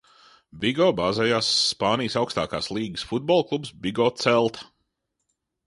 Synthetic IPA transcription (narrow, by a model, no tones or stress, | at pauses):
biɡɔːbaːzɛjaːsːpaːnijsawkst̪a̰ːka̰ːslˠiːɡɨsfud̪̚bɔlˠklˠubsbiɡɔːt̪sɛlˠt̪ɐ̥